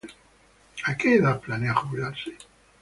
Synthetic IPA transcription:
akeːðaplaneaχuβlaɾse

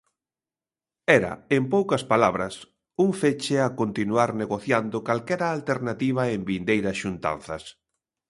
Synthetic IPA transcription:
ɛɾɐ̰empowkɐspalaβ̞ɾɐs | uŋfet͡ʃeakont̪inuaɾneɣoθjand̪ʊkalkɛɾɐːlt̪eɾnat̪iβ̞ɐembind̪ejɾɐsʃunt̪a̰n̟θɐs

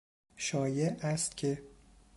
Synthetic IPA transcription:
ʃɒːjeʔæst̪̚cʲʰe

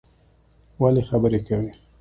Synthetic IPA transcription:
walexabəɾekawi

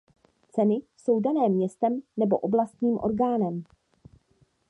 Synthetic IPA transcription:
t͡sɛnɪso̞wdanɛːmːɲɛst̪ɛmnɛbo̞ʔoblast̪ɲiːmʔo̰ɾɡaːnɛm

